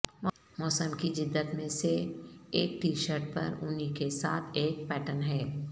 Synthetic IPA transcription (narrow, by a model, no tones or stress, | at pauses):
m | mɔːsəmkid͡ʒɪd̪ːət̪mẽseeːk̚ʈiːʃəɾʈ̚pɐ̰ɾʊnɦikesa̰ːt̪ʰeːk̚pɛːʈənɦɛː